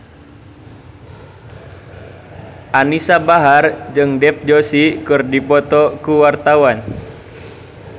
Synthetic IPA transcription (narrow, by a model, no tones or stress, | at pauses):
ʔanisabaɦard͡ʒɨŋdɛfd͡ʒosikɨrdipɔt̪ɔkuwart̪awan